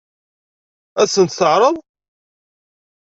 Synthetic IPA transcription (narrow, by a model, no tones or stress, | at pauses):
æsənt̪θəʕɾˤəðˤ